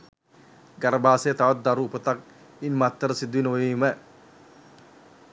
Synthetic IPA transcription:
ɡɐɾɐbaːseːt̪ɐʋɐt̪̚d̪ɐɾuːpɐt̪ɐk̚ | inmɐt̪ːəɾɐsid̪uwinojmɛ

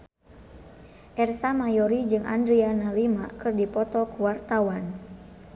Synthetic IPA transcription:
ʔɛrsamajɔɾid͡ʒɨŋʔa̰ndɾianahlimakɨrdipɔt̪ɔkuwart̪awan

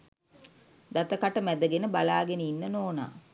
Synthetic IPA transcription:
d̪at̪əkaʈəmæd̪əɡenəbalaːɡenəinːənoːna̰ː

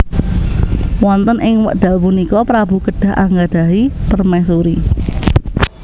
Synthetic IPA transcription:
wɔnt̪ənʔɪŋwə̰ʔɖ̥a̤lpunikɔpɾab̥ṳɡəɖ̥a̤ɦʔaŋɡaɖ̥a̤ip̪ərmɛs̬uɾi

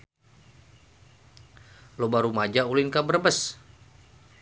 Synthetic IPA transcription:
lobaɾumad͡ʒaulinkabərbəs

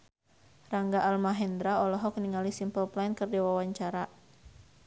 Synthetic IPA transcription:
raŋɡaʔalmaɦɛnd̪ɾaɔlɔɦɔkniŋalisimpəlplajnkərdiwawaɲt͡ʃaɾa

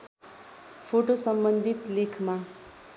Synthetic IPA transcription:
fʰoʈosəmbənd̪ʱit̪lekʰmã

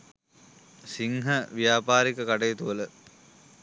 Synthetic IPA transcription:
siŋɦɐʋijaːpaːɾikəkaɖejːt̪uʋələ

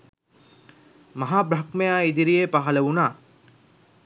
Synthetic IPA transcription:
mɐɦaːbɾɐkmejaːid̪iɾijepaɦɐlɐʋunaː

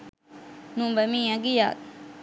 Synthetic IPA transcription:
nũːbəmĩːaɡija̰ːt̪̚

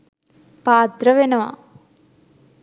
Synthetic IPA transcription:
paːd̪ɾɐʋenɐʋa̰

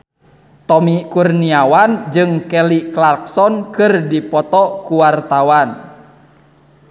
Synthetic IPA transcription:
t̪ɔmikurniawand͡ʒɨŋkɛliklark̚sɔnkɨrdipɔt̪ɔkuwart̪awan

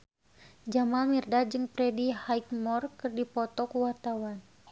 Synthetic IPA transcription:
d͡ʒamalmirdad͡ʒɨŋpɾɛdihaikmɔrkɨrdipɔt̪ɔkuwart̪awan

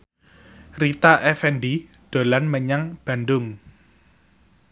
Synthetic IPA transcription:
rit̪aʔɛfɛnɖi | ɖ̪̥o̤lanməɲaŋb̥ä̤nɖʊŋ

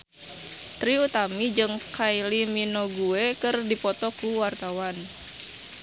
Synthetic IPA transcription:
t̪ɾiut̪amid͡ʒɨŋkajliminoɡuekɨrdipɔt̪ɔkuwart̪awan

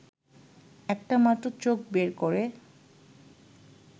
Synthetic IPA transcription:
ɛkʈamaʈːot͡ɕok̚beɾkoɾe

